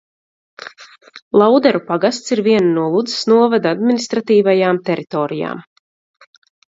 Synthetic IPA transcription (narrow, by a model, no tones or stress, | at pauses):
lˠawd̪ɛɾupaɡast̪siɾviɛnnuɔlˠud̪zə̥snuɔvad̪ad̪minist̪ɾat̪iːvajaːmt̪ɛɾʔit̪ɔːɾija̰ːm